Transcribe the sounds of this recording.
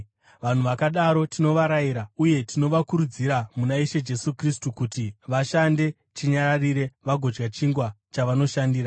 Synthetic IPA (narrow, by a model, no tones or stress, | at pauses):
ʋan̤uʋakaɗaɾo̞tino̞ʋaɾaiɾauje̞tino̞ʋakuɾud͡ziɾamunaiʃe̞d͡ʒe̞sukristukutiʋaʃande̞ | t͡ʃiɲaɾariɾe̞ʋaɡʱo̞d͡ʒɡat͡ʃiŋɡwa | t͡ʃaʋano̞ʃandiːɾa